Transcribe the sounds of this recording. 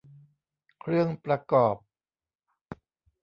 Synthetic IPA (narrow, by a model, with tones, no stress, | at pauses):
kʰɾɯ˥˩əŋpɾa˧kɔː˨˩p̚